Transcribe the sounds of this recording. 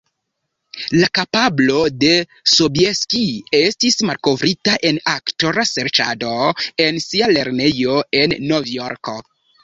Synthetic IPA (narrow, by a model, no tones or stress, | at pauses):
lakapablo̞de̞ | sobijeskiestismalko̞vɾitaʔe̞naktoɾaseɾt͡ʃa̰do̞e̞nsiale̞ɾne̞jo̞e̞nːovjoɾko̰